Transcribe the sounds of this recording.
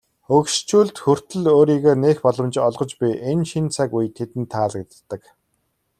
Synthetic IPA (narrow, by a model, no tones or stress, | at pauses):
ɵkʃt͡ɕuːɮt̪xɵr̥t̪ɵ̆ɮoːɾiːɣeːneːxpɔɮɞ̆mt͡ɕɔɮʁɞ̆t͡ɕpiʔenʃint͡sʰakujt̪ʰet̪ɘ̆nt̪ʰːaːɮɡet̪̆t̪ːə̆k